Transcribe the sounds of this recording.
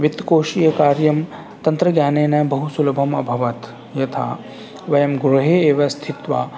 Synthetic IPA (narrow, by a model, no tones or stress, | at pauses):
ʋit̪koːʃijɐkaːɾjɐm | t̪ɐnt̪ɾɐɡjaːneːnɐbɐɦusulɐbʱɐmɐbʱɐʋɐt̪ | jɐt̪ʰa̰ | ʋɐjɐmɡɾuɦeeːʋɐst̪ʰit̪ʋa